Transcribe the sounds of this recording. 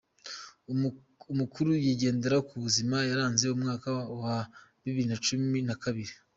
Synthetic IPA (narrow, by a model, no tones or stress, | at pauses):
umukuɾujiɟe̞ːnde̞ɾakuβuzimajaɾaːnze̞umŋaːkawaβiβiɾinat͡ʃuminakaβiɾi